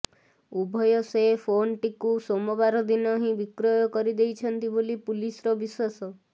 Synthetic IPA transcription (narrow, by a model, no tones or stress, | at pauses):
ubʱɔjɔsepʰonʈikusomɔbaɾɔd̪inɔɦĩbikɾɔjɔkɔɾid̪ejt͡ʃʰɔnt̪ibolipulisɾɔbiswasɔ